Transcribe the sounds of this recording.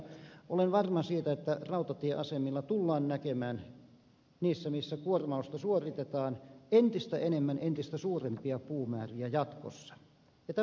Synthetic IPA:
ʔolenʋɑrmɑsiːt̪æet̪ːærɑut̪ɑt̪ieʔɑsemilːɑt̪ulːɑːnnækemæːn | niːsːæmisːækuormɑust̪ɑsuorit̪et̪ɑːnent̪ist̪æʔenemːænʔent̪ist̪æsuːrempiɑpuːmæːriæjɑt̪ko̰sːɑ̥ | jɑt̪æ

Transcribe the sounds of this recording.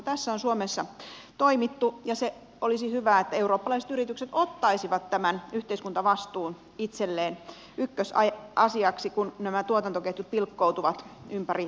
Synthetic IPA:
t̪æsːæonsuomesːɑt̪oimit̪ːujɑse | olisihyʋæːet̪ːæeuroːpːɑlɑiset̪yrit̪ykset̪ot̪ːɑisiʋɑt̪tæmænyht̪eiskunt̪ɑʋɑst̪uːn | it̪selːeːn | ykːøsɑɑsiɑksikunnæmæt̪uot̪ɑnt̪okeht̪yt̪̚pilkːout̪uʋɑt̪ympæri

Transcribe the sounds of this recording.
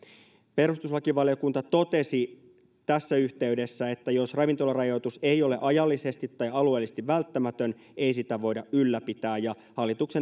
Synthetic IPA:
pe̞ɾust̪usʋɑkiʋɑlio̞kunt̪ɑt̪o̞t̪e̞si | t̪æsːæyht̪e̞yde̞sːæe̞t̪ːæjo̞srɑʋint̪o̞lɑrɑjo̞t̪use̞jo̞le̞ʔɑjɑlːise̞st̪it̪ːɑjɑlue̞ːlːisĕ̥st̪iʋʋælt̪ːæmæt̪øn | e̞isit̪æʋo̞jdɑʔʔylːæpit̪æːjjɑ | hɑlːit̪ukse

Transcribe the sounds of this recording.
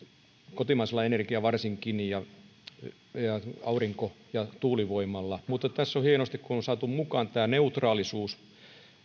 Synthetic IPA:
kot̪imɑiselːɑenerkiæʋɑrsiŋkinijɑ | jɑɑuriŋko | jɑt̪uːliʋoimːˑɑlːɑmut̪ːˑɑtt̪æsːohienost̪ikkunonsɑːt̪ummukɑːnt̪æːneut̪rɑːlisuːs

